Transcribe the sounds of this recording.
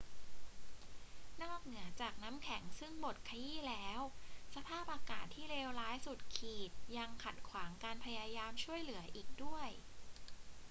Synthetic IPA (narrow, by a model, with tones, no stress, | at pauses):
nɔː˥˩k̚nɯ˩˦ɐt͡ɕaː˨˩k̚na˦˥mkʰɛ˩˦ŋsɯ˥˩ŋbo˨˩t̪̚kʰa˧jiː˥˩lɛː˦˥wsa˧pʰaː˥˩p̚ʔaː˧kaː˨˩t̪ʰːiː˥˩leː˧wlaː˦˥jsu˨˩t̪̚kʰiː˨˩t̪̚ja˧ŋkʰa˨˩t̪̚kʰwaː˩˦ŋkaː˧npʰa˧jaː˧jaː˧mt͡ɕʰu˥˩əjlɯ˩˦ɐʔiː˨˩k̚du˥˩əj